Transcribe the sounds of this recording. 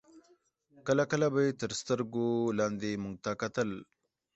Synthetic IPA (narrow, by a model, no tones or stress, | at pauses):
kəlakəlabəjt̪əɾst̪əɾɡolaːnd̪emuŋɡ̚t̪akɐt̪əl